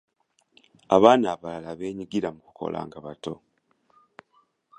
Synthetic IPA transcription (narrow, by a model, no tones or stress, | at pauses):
aβaːnaːβalalaβe̞ːɲiɡiɾamuku̥kʰo̞̰lʔa̰ːŋɡaβato̞